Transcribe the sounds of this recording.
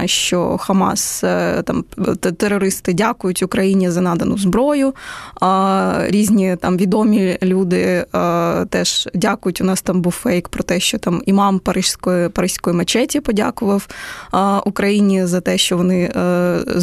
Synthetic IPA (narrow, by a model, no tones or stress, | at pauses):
ʃt͡ʃɔ̰xɐmɑ̰st̪ɑmt̪eɾɔɾɪst̪ɪdʲakʊjʊtʲʊkɾɐjinʲizɐnɑd̪ɐnʊ̰zbɾɔjʊ | ɾʲizʲnʲit̪ɑmʋʲid̪ɔmʲilʲud̪ɪ | t̪ɛʃdʲakʊjʊtʲʊnɑst̪ɑmbuwfɛjkpɾɔt̪ɛʃt͡ʃɔt̪ɑmimɑmpɐɾɪʃsʲkɔjpɐɾɪsʲkɔjimɐt͡ʃɛtʲipɔdʲa̰kʊʋɐw | ʔʊkɾɐjinʲizɐt̪ɛʃt͡ʃɔʋɔnɪ